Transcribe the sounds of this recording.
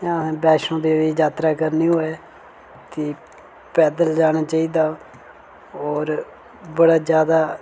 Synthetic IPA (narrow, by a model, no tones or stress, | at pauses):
jãːbɛːʃõːd̪eːʋiːd͡ʒaːt̪ɾaːkəɾniːɦoːɛː | t̪iː | pɛːd̪əld͡ʒaːɽ̃aːt͡ʃaːiːd̪aː | ɔːɾ | bəɽaːd͡ʒjaːd̪aː